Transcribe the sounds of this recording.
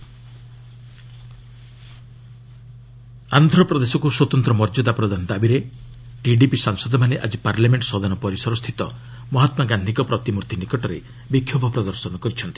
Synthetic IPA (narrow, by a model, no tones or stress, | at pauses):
and̪ʱɾɔpɾɔd̪esɔkuswɔt̪ɔnt̪ɾɔmɔɾd͡ʒɔd̪apɾɔd̪anɔd̪abiɾe | ʈiɖipisaŋsɔd̪ɔmaneʔa̰d͡ʒipaɾlameɳʈsɔd̪anɔpɔɾisɔɾɔst̪ʰit̪ɔ | mɔɦɔt̪maɡand̪ʱikɔpɾɔt̪imuɾt̪ʰinikɔʈɔɾe | bikʰːjɔbʱɔpɾɔd̪ɔɾsɔnɔkɔɾit͡ʃʰɔnt̪i̥